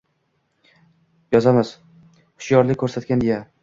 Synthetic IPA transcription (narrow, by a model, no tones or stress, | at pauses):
jɒzamɪz | χʊ̥ʃjɒɾlɪkʰɵɾsat̪kʲand̪eja